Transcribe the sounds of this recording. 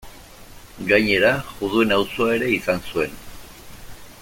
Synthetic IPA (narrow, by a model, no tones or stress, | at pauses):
ɡajɲe̞ɾaʝuðuenawsuae̞ɾe̞isansue̞n